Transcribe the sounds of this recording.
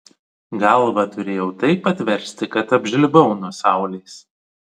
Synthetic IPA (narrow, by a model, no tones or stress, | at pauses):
ɡɐlˠʋɐt̪ʊɾʲeːjɛʊt̪ɐɪpɐt̪ʲʋʲɛɾʲsʲt̪ʲɪkɐt̪ɐbʲʒʲɪlʲbɐʊnuɔsɑˑʊlʲeːs